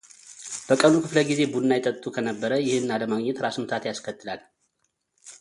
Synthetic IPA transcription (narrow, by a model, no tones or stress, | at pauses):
b̥əkʼənukʰɨfləɡize̞bunːajt̪ʼːət̪ʼt̪ʼːukʰənəbːəɾəjɪhɨnːaləmaɡɲːɛt̪ɾasmɨt̪ʰat̪jaskʰət̪ʰːɨlal